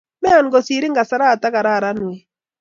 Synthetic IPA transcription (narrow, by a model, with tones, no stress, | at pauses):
mɛ˦a˨n˦ɡo˨si˨ɾi˦ŋɡa˨sa˦ɾaː˦˨ta˦ka˨ɾa˦˨ɾa˦nwe˨